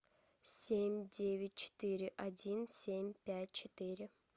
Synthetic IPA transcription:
sʲemʲd̪ʲevʲɪt̪̚ʲt͡ʃʰe̥t̪iɾɪʔadʲinsʲemʲpʲæt̚ʲt͡ʃʰet̪iɾɪ

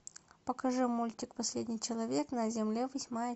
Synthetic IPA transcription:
pəkɐʐɨmulʲtʲɪkpɐsʲlʲedʲnʲɪjt͡ɕɪlˠɐvʲeknɐzʲɪmlʲevəsʲmajə

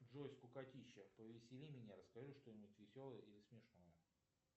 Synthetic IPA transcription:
dʐosʲkʊkɐtʲiɕːəpəvʲɪsʲɪlʲimʲɪnʲaɾəskɐʐɨʂt̪onʲɪbt̪ʲvʲɪsʲo̞lˠəjəilʲɪsmʲɪʂno̞jə

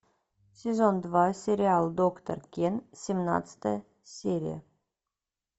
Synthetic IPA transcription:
sʲezond̪vɑsʲeɾʲiɑlˠd̪okt̪o̰rkʲensʲemnɑ̰t̪t͡st̪ə | sʲeɾʲḭjə̰

